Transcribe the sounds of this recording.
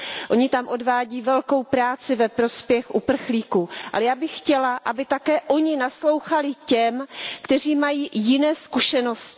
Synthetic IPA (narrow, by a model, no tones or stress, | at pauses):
ʔo̞ɲɪt̪amʔo̞dvaːɟiːvɛlko̞wpɾaːt͡sɪvɛpɾo̞spjɛxʔupr̩xliːkuːʔa̰lɛjaːbɪxːcɛlaʔabɪt̪akɛːʔo̞ɲɪnaslo̞wxalɪcɛmkt̪ɛr̝iːmajiːjɪnɛːskuʃɛno̞scɪ